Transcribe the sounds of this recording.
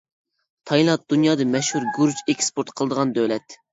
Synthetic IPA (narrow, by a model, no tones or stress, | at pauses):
t̪ʰɑjlˠɑt̪̚d̪̥unjɑːd̪ɨmɛʃhuɾɡuɾd͡ʒekʲspoɾt̪qʰəlˠəd̪əʁɑnd̪ølɛt̪